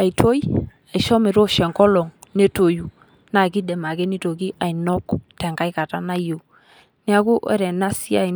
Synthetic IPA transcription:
a˨jtʰo˦j | a˨jʃɔ˦mɪ˨ɾo˦ʃɛ˨ŋkɔ˦lɔ˨ŋne˦to˨ju˨ | na˨ki˦dɛ˨ma˨ɡɛ˦ni˦to˨ɡi˦ʔa˨jnɔ˦ktɛ˨ŋɡa˦jka˨ta˦na˦jo˨ | nɪ˦a˦ku˦ʔɛ̰˨˦ɾɛ˨na˦si˦a˨

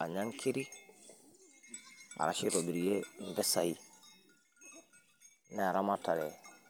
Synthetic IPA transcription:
a̰˨ɲa˦ŋkʰi˦ɾi˦ | a̰˨ɾa̰˨ʃi˦ɾo˨bi˨ɾi˨je˦˨ɱvɛ˦sa˨i | nɛ˨a˨ɾa˦ma˦ta˨ɾɛ˨

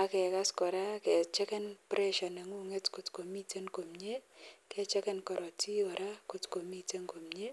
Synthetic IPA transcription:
a˨kɛ˨ka˦skɔ˨ɾa˦kɛ˨t͡ʃɛ˦kɛ˦npɾʔɛ˦ʃɔ˨nɛ˨ŋu˦ŋe˦tko˨tko˨mi˦te˦ŋko˨mɲe˦kɛ˦t͡ʃɛ˦kɛ˦nkɔ˨ɾɔ˨ti˦ɔ˨ɾa˦ko˨tko˨mi˦te˦ŋko˨mɲe˦

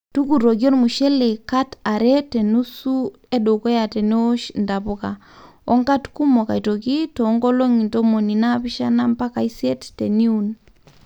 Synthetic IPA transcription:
tu˦ku˨ɾo˨ɡo˦nmu˨ʃɛ˦le˨ka˦ta˨ɾɛ˦te˨nu˦su˦ | e˦do˨ko˦ja˨te˨ne˦o˦ʃnda˨bu˦ka˨ | ɔ˦ŋka˦tku˦mɔ˨ka˨i˨to˨ki˦toː˨˦ŋɡɔ˦lo˦ŋi˨nto˦mo˨ni˨na˦pi˦ʃa˦na˦mpa˦ka˨i˦se˦tte˨ni˦u˨n

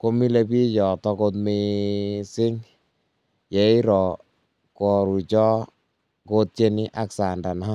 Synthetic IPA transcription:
ko˧mi˦le˧pi˦jɔ˨tɔ˧ko˧t̬me˧sɪ˦ŋ | jɛ˨i˦ɾɔ˨ | kɔ˨ɾu˨t͡ʃɔ˦ | ko˦t̚t͡ʃe˦ni˦ʔa˦ksa˨nda˨nɔ˦

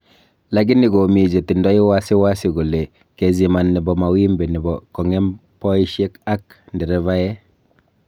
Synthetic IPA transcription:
la˨˦ɡi˦ni˨ɡo˨mi˨d͡ʒe˨ti˨ndɔ˦i˦wa˦si˦wa˦si˨ɡo˨le˨ | ke˨zi˨ma˨nːi˨bɔ˨ma˨wi˦mbe˨ni˨bɔ˨kɔ˨ŋɛ˦m | pɔ˦i˦ʃe˦ka˦k̚ | ndi˨ɾɛ˦va˦jɛ˦

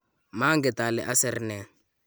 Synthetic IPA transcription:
ma˦ŋɡɛ˨tʼa˨lɛ̰˨ʔa˦sɛ˨rnɛ˨

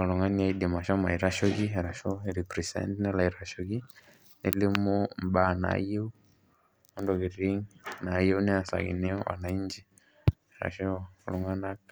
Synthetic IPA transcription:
a˨lu˨ŋa˦ni˦a˦i˦di˨ma˨ʃɔ˦ma˨i˨ɾa˦ʃɔ˦ɡi˦ɦɛ˨ɾa˨ʃo˦iɾi˨pɾi˨sɛ̰˦ntnɛ˦la˨i˨ɾa˨ʃo˦ɡi˦ | ne˦li˦mu˦m̩˨ba˦˨na̰˨je˦u˦ | ɔ˦ndɔ˨ɣi˨ɾi˦ŋna˨je˦u˦nɛ˦a˨sa̰˨ɣḭ˨nɛ˦ɔ˦wa̰˨na˨i˦ɲd͡ʒi˦ | ɛɾa̰˨ʃɔ˦lu˨ŋa˦na˦k

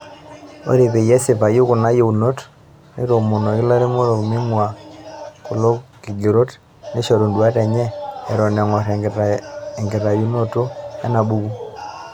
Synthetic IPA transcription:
o̰˦ɾe˨pe˨jɛ˦si˨fa˨ju˦kʊ˨na˦jo˦˨u˨no˦t | ne˦ɾo˨mu˨no˨kɪ˦la˦ɾe˦mo˦ɾo˨kmi˦ŋwa˨ | ku˨lo˦ki˨ɡe˨ɾo˦t | ne˦ʃo˨ɾo˨ndwa˦tɛ˨ɲɛː˦˨ɾɔ˨ne˨ŋɔ˨ɾɛ˨ | e˨ŋɡi˨ɾa˨ju˦no˦to˦ɛ̰˦na˨bu˦ku˦

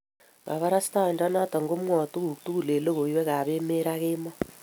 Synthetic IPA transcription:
ka̰˨βa˦ɾa˦sta˦˨nda˦na˦tɔ˨ŋɡo˦mwɔ˨tu˦ku˨k̚tu˦ku˨le˨lo˦ɣo˨iwɛ˦ka˨βe˦me˦ɾaɣe˦mɔ˦

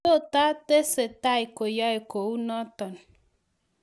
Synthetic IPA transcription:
o˦˨ta˦te˦se˨ta˦i˨ko˨ja˦e˨ko˨wu˦nɔ˦tɔ˨n

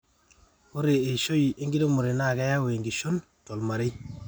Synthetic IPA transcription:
mo˦ɾe˨e˨ʃo˦ji˨e˦ŋɡi˦do˦mu˨ɾe˨na˦˨ka˦ja˦wo˨e˨ŋɡi˨ʃo˦n | to˨lma˨ɾe˦

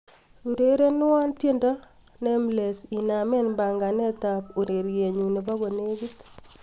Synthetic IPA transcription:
u˨ɾe˦ɾe˦nɪ˦wa˦ntje˦nda˦ | ne˦mle˨si˨name˦nmba˨ŋɡa˨nɛ˦ta˨pu˨ɾe˨ɾje˨ɲu˨ne˨pa˦ɣo˨ne˦ɡɪ˦t

